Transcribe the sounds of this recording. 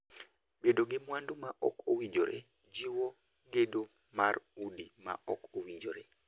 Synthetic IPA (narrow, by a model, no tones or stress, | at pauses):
bedoɡɪmwandomaʔɔ̰kowid͡ʒoɾḛ | d͡ʒiwɔ | ɡedo | marudima̰ʔɔkowid͡ʒoɾe